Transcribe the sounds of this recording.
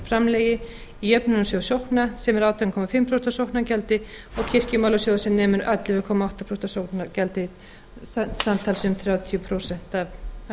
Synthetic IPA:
fɾamlɛːjɪ | iœpnɪnʏsoðsjowknasɛmɛɾaːwt̪ʰɛmkʰɔmafɪmpʰɾowsɛ̥nt̪sjowhknacɛlt̪ɪ | ɔɣcʰɪr̥cɪmawlasjowðasɛmnɛːmʏɾat̪lɪvɛkʰɔːmaawht̪apʰɾowst̪asjowknacɛlt̪ɪ | samt̪ʰaːlsmθɾjaːwt̪ʰijʏpʰɾoːwsɛn̥t̪av

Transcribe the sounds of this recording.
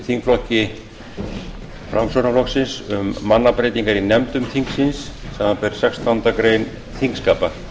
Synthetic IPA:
θiŋkflɔhcɪ | fɾa̰msownaflɔksɪnsʏmːanːapɾeːjt̪iŋkaɾinɛmt̪ʏmθʰiŋksɪnsːɛmapɛɾ̥sɛkst̪ʰawnt̪akɾejn | θiŋkskaːpḁ

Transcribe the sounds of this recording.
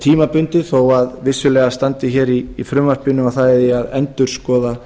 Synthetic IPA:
t̪ʰiːmapʏnt̪ɪθowaðvɪsːʏlɛːɣast̪ant̪ɪçɛːɾiːfɾʏmːaspɪnʏmawθaɛðɪaðɛnt̪ʏɾ̥skɔːða

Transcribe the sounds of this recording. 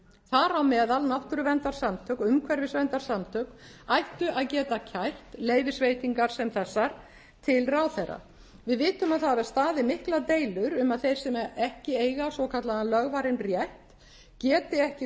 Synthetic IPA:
θaɾawmɛːðalnawht̪ʏɾʏvɛnt̪aɾ̥samt̪ʰœkʏmkʰvɛɾvɪsvɛnt̪aɾ̥samt̪ʰœkajht̪ʏʔaðcɛːt̪acʰajr̥t̪leːjvɪsveːjt̪iŋkaɾ̥sɛmθɛsːaɾ | t̪ʰɪlraːwθejɾːa̰ | vɪðvɪːt̪ʏmaðθavɛɾ̥st̪aːðɪmɪhklat̪eːjlʏɾʏmaðθejɾ̥sɛmɛɛhcɪeːjɣasvɔkʰat̪laanlœɣvaɾɪnrjɛht̪ | cɛːt̪ɪɛhcɪ

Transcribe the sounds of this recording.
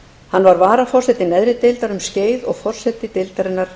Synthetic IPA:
hanːvaɾvaːɾafɔrsɛt̪ɪnɛðɾɪt̪ɪlt̪aɾʏmsceːjðɔɣfɔr̥sɛt̪ɪt̪ɪlt̪aɾɪnːaɾ̥

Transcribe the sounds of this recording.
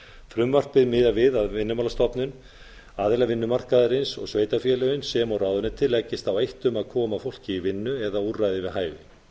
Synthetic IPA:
fɾʏmvar̥t̪̚pɪðmɪːðavɪðaðvɪnːʏmalast̪ɔpnʏn | aːðɪlavɪnːʏmar̥kaðɾɪnsɔ̰ɣsveːjt̪afjɛlœjʏnsɛmawraːwðʏnɪt̪ʰɪlːɛcːɪst̪awejht̪ʏmaðkʰɔːmafowl̥cɪivɪnːʏɛðaurajðɪvɪðɦaːjvɪ

